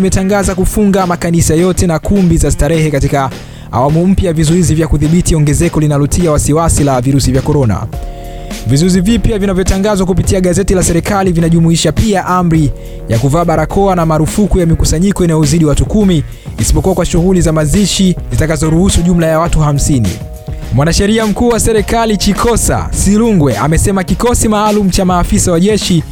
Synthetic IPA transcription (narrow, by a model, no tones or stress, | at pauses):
mɛtaŋɡazakufuŋɡamakanisajɔtɛnakumbizastaɾɛhɛkatika | a̰wamum̩pjajavizɔizivjakuðiɓitiɔŋɡɛzɛkɔlinalɔtʰiawasiwasilaviɾusivjakɔɾɔna̰ | vizɔizivipjavinavjɔtaŋɡazwak̬upitiaɠazɛtilasɛɾikalivinaʄumuiʃapiaʔam̩ɾi | jakuvaːɓaɾakʰɔanamaɾufukujamikusaɲikɔinajɔziɗiwatukumiː | si̥pɔkuwakwaʃuɣulizamaziʃizitakazɔɾuhusuʄum̩lajawatuham̩sinḭ | mwanaʃɛɾiam̩kuːwasɛɾɛkalit͡ʃikʰɔsa̰siluŋɡwɛʔa̰mɛsɛmakikɔsimaːlum̩t͡ʃamaːfisawaʄɛʃi